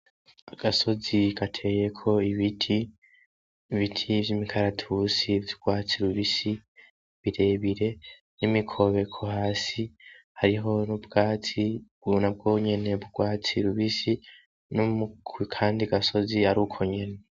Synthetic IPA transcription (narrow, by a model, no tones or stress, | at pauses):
aɡ̥aso̞zikatʰe̞jekʰo̞iβitʰi | βitʰivjimikʰaɾatʰusivjuɡwaːt͡siɾuβisi | βiɾe̞βiɾe̞ | nimikʰo̞βe̞kʰohaːsi | haɾiɦo̞nubɡ̥aːt͡si | unab̚ɡoɲe̞ne̞βuɡ̥waːt͡siɾuβisi | nomukwikʰaːndiaɡaso̞ziaɾukʰoɲe̞ne̞